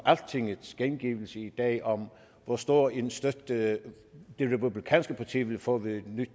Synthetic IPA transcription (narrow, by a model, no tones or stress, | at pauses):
ʔæl̥̚t͡sʰe̝ŋəðsɡ̥enɡ̥iʋl̩səid̥ɛ̰ːʔɒ̽m | ʋɒsd̥o̝̰ɐ̰ensd̥ød̥ | d̥e̝ʁɛpʰublikʰɛ̰ːnsɡ̥əpʰɑ̈t͡sʰḭːʋe̝lfɔ̰̽ːʋeed̥nyd̥